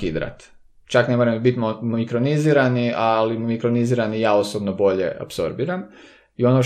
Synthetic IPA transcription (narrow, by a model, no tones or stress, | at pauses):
id̪ɾa̰t̪ | t͡ʃakne̞moɾambit̪mmikɾoniziːɾaniʔalimmikɾoniziːɾanijaːosobnobo̞ʎe̞̰ʔa̰pso̞ɾbiːɾam | io̞no